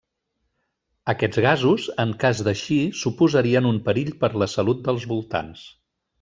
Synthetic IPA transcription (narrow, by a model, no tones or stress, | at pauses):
əkɛd͡zɣazuzəŋkazd̪əʃisupuzəɾiənumpəɾiʎpəɾləsəlut̪̚d̪əlˠzβulˠt̪a̰ns